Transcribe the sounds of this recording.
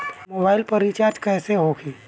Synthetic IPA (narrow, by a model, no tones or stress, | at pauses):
moːbaːɪlpɐɾit͡ʃaːɾd͡ʒkɛːseɦokiː